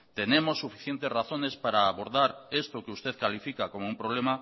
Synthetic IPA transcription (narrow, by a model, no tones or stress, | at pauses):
t̪enemosːufiθjent̪esraθonespaɾaːβoɾðaɾest̪ʊkeust̪eðkalifikakomoumpɾoβ̞lema